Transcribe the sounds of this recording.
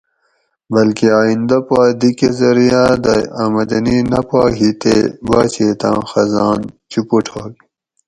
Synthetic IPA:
bɐlkeaːind̪ɐpaːd̪ikezɐɾijaːd̪ɐamɐd̪ɐninɐpaːɦit̪ḛbaːt͡ɕeːt̪ã̰ːxɐzaːnt͡ɕupuʈʰoːl

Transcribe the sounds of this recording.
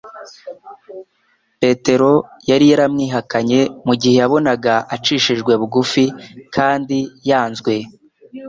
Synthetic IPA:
pe̞te̞ɾo̞jaɾijaɾamŋiːɦakaɲe̞muɟihe̞jaβo̞naɡaʔat͡ʃiʃiʒɡwe̞βuɡufikʰaːndijaːnzɡwe̞

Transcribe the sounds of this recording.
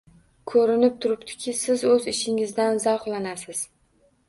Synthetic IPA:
kʰɵɾɪnɪp̚t̪ʰʊɾɪpt̪ʰɪ̥kʲʰɪsɪzɵzɪʃɪŋɪzd̪anzaχlˠanasɪz̥

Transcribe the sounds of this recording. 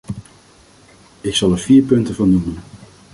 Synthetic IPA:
ɪksɑlˠɛɹv̥iːɹpɵntəvɑnːumən

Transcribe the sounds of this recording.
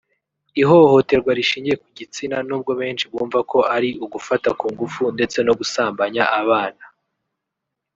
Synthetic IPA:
iɦo̞ho̞te̞ɾɡwaɾiʃiːɲɟie̞kuɟit͡sinanuːb̚ɡo̞βe̞ːnʃiβuːɱvako̞ʔaɾiʔuɡufatakuːŋɡufunde̞t͡se̞no̞ɡusaːmbaɲaʔaβaːna

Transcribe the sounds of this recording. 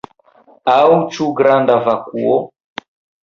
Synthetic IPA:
aut͡ʃuɡɾandavakuɔ

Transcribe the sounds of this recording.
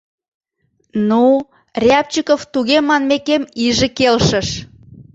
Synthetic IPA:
nu | rʲɑp̚t͡ɕikoft̪uɣemɑnmekemiʒĕkelʃə̆ʃ

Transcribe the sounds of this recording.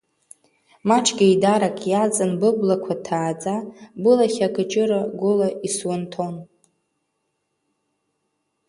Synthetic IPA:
maʈ͡ʂʰɡʲaidaɾakʼjat͡sʼɨnbɨblakʷʰatʰaːd͡zʼabɨlaχʲakʰʼat͡ʃʼɪɾaɡʷʊlaiswantʰo̞n

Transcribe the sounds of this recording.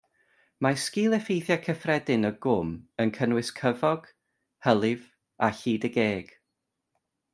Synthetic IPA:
maskiːlˠɛfejθjakʰəfrɛdɪnəɡʊmənkʰənwɨskʰəvɔɡ̥ | həlˠɪv | aɬiːdəɡeːɡ̥

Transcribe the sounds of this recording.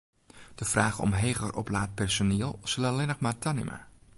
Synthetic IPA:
d̥əfraːɣəɔ̰mɦeːɣərʔɔ̰plaːt̚pɛrsoniəlˠsələlɪnəχmaːrtʰanɪ̰mʔa̰

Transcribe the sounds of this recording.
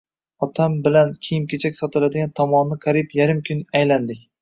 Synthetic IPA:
ɒt̪ʰambɪlankʲʰijɪmkʲʰet͡ʃʰakʲsɒt̪ʰɪlad̪ɪɡʲant̪ʰɒmɒnːɪkʰaɾɪpjaɾɪmkʲʰʊnajland̪ɪkʲ

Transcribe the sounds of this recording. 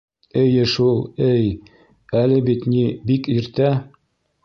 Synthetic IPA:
ɘjɘʃulˠɘj | ælɘbit̪nibikiɾt̪æ

